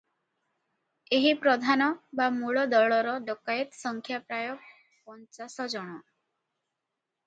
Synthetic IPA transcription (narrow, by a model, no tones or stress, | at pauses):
eɦipɾɔd̪ʱanɔbamuɭɔd̪ɔɭɔɾɔɖɔkait̪sɔŋkʰjapɾajɔk̚ | pɔnt͡ʃasɔd͡ʒɔɽ̃ɔ